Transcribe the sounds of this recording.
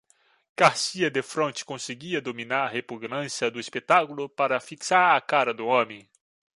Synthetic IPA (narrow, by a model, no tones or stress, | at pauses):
kaɾsiɐd̪efɾõnt͡ʃɪ̥kõseɡiɐd̪ominaɾɐhepuɡnɐ̃sjɐd̪ʊespet̪akulʊpaɾɐfiksaɾɐkaɾɐd̪ʊõmẽj̃